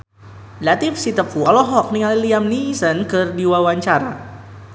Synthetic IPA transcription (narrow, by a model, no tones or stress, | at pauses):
lat̪ifsit̪əfuɔlɔɦɔk̚niŋaliliamnisənkɨrdiwawaɲt͡ʃaɾa